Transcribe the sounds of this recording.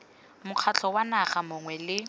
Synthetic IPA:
mʊq͡χʰat͡ɬʰɔwanaχamʊŋwɛlɪ

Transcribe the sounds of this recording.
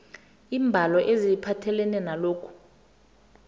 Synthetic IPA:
iːmbʱalɔʔezipʰatʰɛlɛnɛnaloːkʰu̥

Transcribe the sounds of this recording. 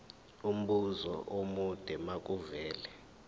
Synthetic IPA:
um̩ɓuzɔ̰ʔomud̥ʱɛmak̬ʼuvɛːlɛ

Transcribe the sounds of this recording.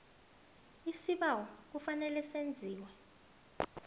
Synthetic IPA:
isiɓawɔk̬ufanɛlɛsend͡zʱiːwɛ

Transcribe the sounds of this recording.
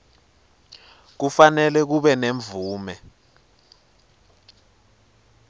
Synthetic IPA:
k̬ufanɛlɛk̬uɓɛneɱb̪vuːmɛ

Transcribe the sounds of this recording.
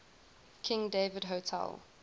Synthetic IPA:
kʰɪ̃ŋdeɪvədɦotʰɛ̰lˠ

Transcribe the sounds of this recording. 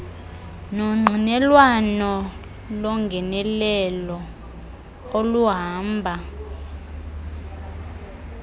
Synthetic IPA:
nɔŋ͡ǃʱinɛlwanɔ | lɔŋɡʱɛnɛlɛlɔ | oluɦaːmbʱa

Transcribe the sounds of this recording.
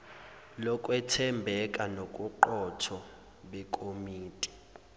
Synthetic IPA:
lɔkʼwɛtʰɛmbʱɛkʼanokʼuǃɔtʰɔ | ɓɛkʼomiːtʼi̥

